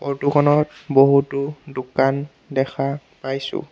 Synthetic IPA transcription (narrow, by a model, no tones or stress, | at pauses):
otukʰɔnɔt̚boɦutʊdukan | dɛxʰa | pajsʊ̰